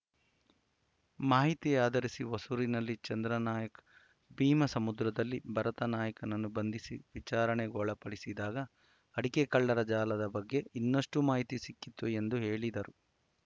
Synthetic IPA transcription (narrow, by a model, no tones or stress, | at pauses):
maːɦit̪ijaːd̪ɐɾisiʋɐsuːɾinɐlːit͡ʃɐnd̪ɾɐnaːjɐkɐ̥ | biːmɐsɐmud̪ɾɐd̪ɐlːibʱɐɾɐt̪ɐnaːjɐkɐnɐnːubɐnd̪ʱisiʋit͡ʃaːɾɐɳeɡoːɭɐpɐɽisid̪aːɡɐ | ɐɽikekɐɭːɐɾɐd͡ʒaːlɐd̪ɐbɐɡːe̞inːɐʂʈumaːɦit̪isikːit̪ːue̞nd̪uɦeːɭid̪ɐɾu